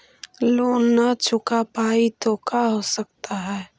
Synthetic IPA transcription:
loːnːat͡ʃʰʊkapaːit̪okʰaɦosək̚t̪aɦɛː

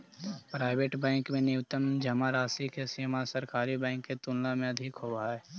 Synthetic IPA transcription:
pɾaːɪbeːʈbɛ̃ːŋkmẽnɪwt̪əmd͡ʒɐmaɾaːsikesiːmasɐɾkaːɾibɛ̃ːŋkːet̪ʊnlamẽɐd̪ʱɪkɦoaɛː

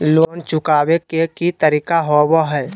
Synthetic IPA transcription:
loːnt͡ʃʊkaːwekekit̪əɾiːkaɦowoɦɛː

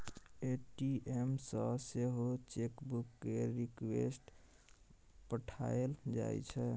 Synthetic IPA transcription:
eʈiemsəseɦot͡ʃekbukːeɾikwḛsʈ | pəʈʰa̰eld͡ʒa̰j̰t͡ʃʰɛ

